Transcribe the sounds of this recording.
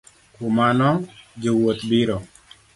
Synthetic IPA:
kʊmanɔd͡ʒɪwot̪biɾɔ

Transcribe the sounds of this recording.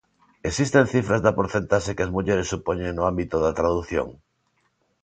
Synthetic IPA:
esist̪en̟θifɾazðapoɾθent̪aʃekeazmuʎeɾesːupoɲẽŋnoãmbit̪oðat̪ɾaðuθjo̰ŋ

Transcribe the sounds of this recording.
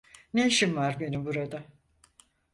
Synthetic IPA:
neʃimvaɾbe̞nibuɾad̪a

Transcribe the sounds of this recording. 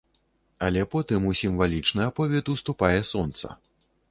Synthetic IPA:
ɐlʲɛpɔt̪ɨmusʲimvalʲit͡ʂnɨapɔvʲɛt̪ust̪upajɛsɔnt̪sɐ̰

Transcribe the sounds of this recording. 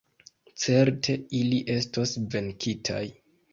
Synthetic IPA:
t͡se̞ɾtʰe̞iliʔe̞stosve̞ŋkʰitʰa̰j

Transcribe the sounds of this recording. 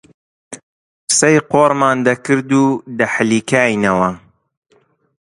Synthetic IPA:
sɐjqoːɾmaːnd̪ɐkɨɾd̪uːd̪ɐħliːkaːjnɐwɐ

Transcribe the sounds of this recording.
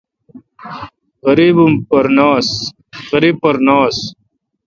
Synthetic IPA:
ɣɐɾiːbumpɐɾnaːs | ɣɐɾiːb̚pɐɾnaːs

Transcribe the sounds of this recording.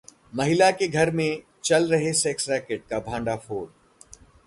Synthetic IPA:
mɐɦɪlakeɡʱɐɾmẽ | t͡ʃɐlɾɐɦesɛːksɾɛːkeʈ̚kabʱãːɳɖafoːɾ

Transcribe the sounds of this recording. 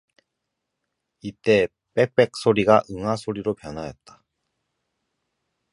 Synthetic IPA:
it͈e̞ | p͈e̞k̚p͈e̞k̚s͈oɾiɡaʔɯŋɦasʰoɾiɾopjʌnɦajʌt̚t͈ḁ

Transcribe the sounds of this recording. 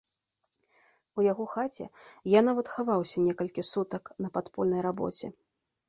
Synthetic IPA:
ujaɣɔxat͡sʲɛ̰janavɐt̪xavawsʲɐnʲɛkɐlʲkʲisut̪ɐknɐpat̪pɔlʲnɐjɾabɔ̰t͡sʲɛ

